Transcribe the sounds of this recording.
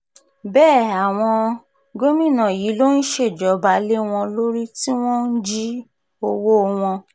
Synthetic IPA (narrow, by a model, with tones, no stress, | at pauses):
bɛː˦˨a˨w̃ɔ̃˧ | ɡo˦mĩ˦˨nã˨ji˨˦lo˦n̩˦ʃe˦˨d͡ʒɔ˨˦ba˨˦le˦w̃ɔ̃˧lo˦ɾi˦ti˦w̃ɔ̃˦n̩˦d͡ʒi˦ | o˧wo˦˧w̃ɔ̃˧